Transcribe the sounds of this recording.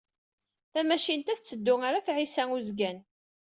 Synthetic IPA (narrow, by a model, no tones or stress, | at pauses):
θæmæʃint̪æθt͡sːəd̪ːʊŋaɾaθʕisæŋuzɡæn